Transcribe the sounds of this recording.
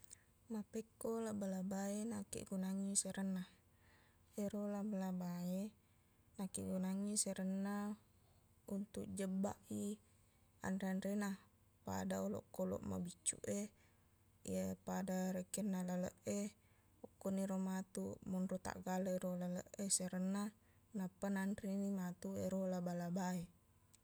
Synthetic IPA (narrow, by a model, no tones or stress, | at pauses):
mapekːolaʔbəlabaenakḭʔɡunaŋiseɾənːa | eɾolabəlabae | nakḭʔɡunaŋiseɾənːa | unt̪uʔd͡ʒəbːaʔi | a̰nreanrena | pa̰daolɔ̰kːolɔ̰ʔma̰bit͡ʃːṵʔe | epadaɾekenːalalə̰ʔe | ɔkːoniɾomat̪umɔnrot̪a̰ʔɡalaeɾolalə̰ʔeseɾənːa | napːananrinimat̪ueɾolabalabae